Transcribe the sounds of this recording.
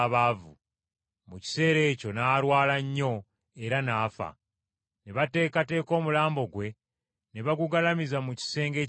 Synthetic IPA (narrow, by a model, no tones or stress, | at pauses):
βavṵ | muci̥se̞ːɾe̞ːco̞naːɾwaːlaɲːo̞ | e̞ɾanaːfa̰ | neβate̞ːkate̞ːko̞ːmulaːmbo̞ɡwe̞ | neβaɡuɡalamizamuci̥se̞ːŋɡe̞ː